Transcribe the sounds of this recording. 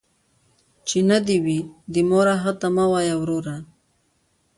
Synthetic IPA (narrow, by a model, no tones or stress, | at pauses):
t͡ʃinad̪iwid̪imoɾaɦat̪amawajawɾoɾa